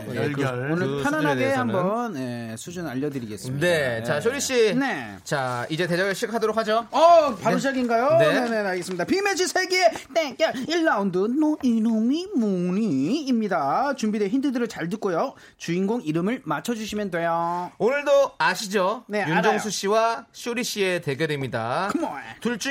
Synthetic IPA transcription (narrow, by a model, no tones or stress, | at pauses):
onɯɭpʰjʌnanɦaɡe̞hambʌnje̞sʰud͡ʑunaʎːʌdɯɾiɡe̞s͈mineat͡ɕaɕʰoɾiɕ͈ine̞ | t͡ɕaid͡ʑe̞te̞d͡ʑaɡɯɭɕʰikʰadoɾok̚had͡ʑoʌpaɾɯd͡ʑ̬ʰaɡinɡajonene̞aɭɡe̞sɯmɲid̪apimet͡ɕʰisʰeɡiet͈ekeiɭːaundɯnːoiɾɯmimoɲiːmɲidat͡ɕumbideçindɯdɯɾɯɭt͡ɕaɭtɯk͈̚ojo | t͡ɕuinɡoŋiɾɯmɯɭmat͡ɕʰʌd͡ʑuɕʰimjʌndwe̞joonɯɭdoaɕʰid͡ʑone̞junad͡ʑoŋsʰuɕ͈iwaɕʰoɾiɕ͈iete̞ɡeɾemɲida̰kɯmoḛtuɭt͡ɕ͈u